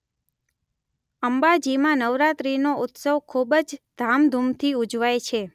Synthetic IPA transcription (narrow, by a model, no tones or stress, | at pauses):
əmbad͡ʒimãnəʋɾat̪ɾinoʊt̪səʋkʰubəd͡ʒd̪̥ʱamd̪ʱumt̪ʰiud͡ʒʋajt͡ʃʰe